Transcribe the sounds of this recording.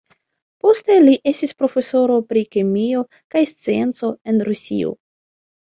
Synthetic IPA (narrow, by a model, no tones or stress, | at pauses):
po̞ste̞liʔe̞stispɾo̞fe̞so̞ɾo̞pɾikimio̞ | kajst͡sie̞nt͡so̞e̞nɾusḭo̰